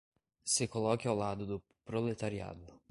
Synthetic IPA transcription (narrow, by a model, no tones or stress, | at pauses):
sɪkolɔkɪawlad̪ʊd̪ʊ | pɾolet̪aɾia̰d̪ʊ